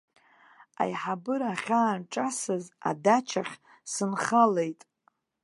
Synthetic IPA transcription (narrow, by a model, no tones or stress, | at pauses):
a̰jħabɨɾaχʲaːnʈ͡ʂʼasɨza̰dat͡ʃʰaχʲ | sɨnχale̞jtʼ